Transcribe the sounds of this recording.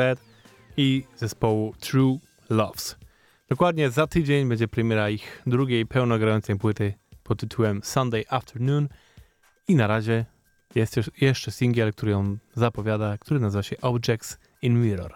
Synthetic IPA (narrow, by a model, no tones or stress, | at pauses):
ɛt̪ | izɛspɔwut̪ɾu | lɔfs | d̪̥ɔkwad̪ɲɛzat̪ɘd͡ʑeɲbɛɲd͡ʑɛpɾɛmʲjɛɾaixd̪ɾuɡʲejpɛwnɔɡɾajɔnt̪sɛjpwɘt̪ɘpʰɔt̪ːɘt̪ʰuwɛmsand̪ɛjʔaft̪ʰɛɾnun | inaɾaʑɛ | jɛst̪jɛʂt͡ʂɛsʲiŋɡʲɛlk̚t̪uɾɘjɔ̃wzapɔvʲjad̪akt̪ʰuɾɘnazɘvaɕɛʔɔbd͡ʒɛk̚t̪s | inmʲiɾɔ̰ɾ